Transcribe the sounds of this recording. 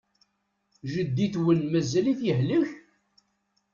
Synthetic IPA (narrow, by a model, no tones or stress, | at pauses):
ʒəd̪ːiθwənmæzæliθjəɦləç